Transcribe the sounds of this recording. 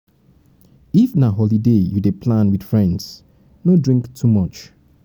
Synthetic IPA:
ifnaɦɔlidejudepʰlãnwid̥fɹɛ̃ndz̥ | nodɹĩŋktʰumʌt͡ʃ

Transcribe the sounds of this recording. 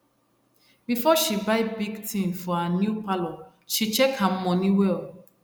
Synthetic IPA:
bifɔʃibaɪbiɡtĩmfɔanjupalɔ | ʃit͡ʃɛkhãm̩mɔ̃niwe

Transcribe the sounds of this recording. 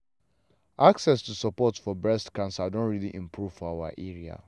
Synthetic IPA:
aksɛstusɔpɔtfɔbɹɛstkãnsadõnɹiliʔĩmpʰɹuv̥fɔawa̰ʔɛɹia̰

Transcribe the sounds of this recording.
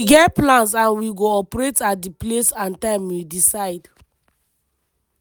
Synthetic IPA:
iɡɛtplãns̬ãnwiɡoɔpɾetadiplesãntãmwidisaɪd

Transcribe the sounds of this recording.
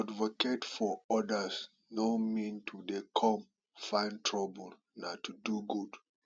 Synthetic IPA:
advoketfɔɔdas | nomĩntʰudekʰɔ̃m | fãɪ̃ntʰɹɔbəl̩ | natuduɡud

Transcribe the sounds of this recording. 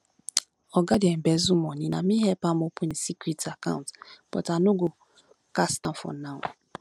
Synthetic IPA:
ɔɡadɛm̩bɛzumɔɲĩna̰miɦɛpamopun̩sikɾitaka̰ʊ̃ntpɔ̰tanuɡo | kastãfɔ̰naʊ

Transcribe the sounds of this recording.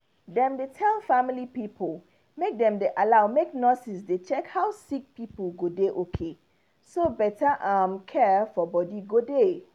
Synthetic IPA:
dɛ̃mdetʰɛlfamilipipʰəl | mek̚dɛ̃mdeʔalaʊmeknɔsisdet͡ʃɛkhaʊsik̚pipəlɡodeʔokʰe | sobɛtaʔamkʰɛfɔbɔdiɡode

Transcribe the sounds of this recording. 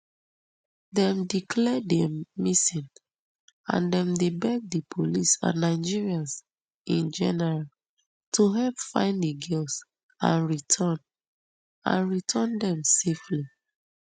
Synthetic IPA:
dɛ̃mdikʰlɛdɛmisĩn | ã̰ndɛ̃mdebɛɡ̚dipʰolisã̰nːaɪd͡ʒiɹiãns | ʔĩnd͡ʒɛ̰nɛɹal | tuɦɛlpfã̰ɪ̃ndəɡils | ã̰nɹitʰɔ̃n | ã̰nɹitʰɔ̃ndɛ̃msefli

